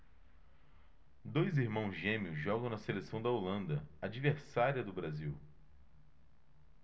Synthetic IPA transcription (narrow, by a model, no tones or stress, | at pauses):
d̪ojziɾmɐ̃w̃zʒẽmiʊzʒɔɡɐ̃w̃nɐselesɐ̃w̃d̪ɐolɐ̃nd̪ɐad͡ʒiveɾsaɾiɐd̪ʊbɾaziw